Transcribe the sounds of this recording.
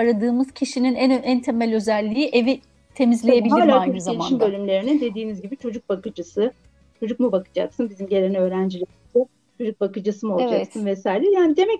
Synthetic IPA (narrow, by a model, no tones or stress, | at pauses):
aɾad̪ɯːmɯz̥cʰiʃininænænt̪ʰe̞mælʲø̞zælʲːijiʔe̞vi | t̪ʰe̞mizlʲe̞jebilʲaːlʲaoeiʃinbø̞lʲymlʲe̞ɾinid̪e̞d̪iːnizɟibit͡ʃʰo̞d͡ʒuk̚bakɯd͡ʒasɯ | t͡ʃʰo̞d͡ʒuk̚mubakɯ̥d͡ʒa̰ksɯnbizimɟe̞lʲenɛø̞ːɾænd͡ʒilʲiiz̥ɛ | t͡ʃʰo̞d͡ʒuk̚bakɯd͡ʒasɯmolˠd͡ʒaksɯnvɛsaːjilʲɛjaːnid̪e̞mɛc